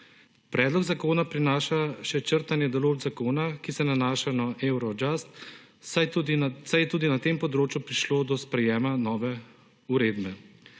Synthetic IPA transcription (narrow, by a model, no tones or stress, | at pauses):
pɾʔɛːd̪lɔɡzakoːnapɾinaːʃaʃɛt͡ʃəɾt̪anjɛd̪ɔloːʒzakoːnakisɛnanaːʃanaʔɛwɾɔd͡ʒast̪ | asajɛt̪uːd̪inat̪eːmpɔd̪ɾoːt͡ʃjupɾiʃloːd̪ɔspɾɛjɛːmanɔːʋɛ | uɾeːd̪bɛ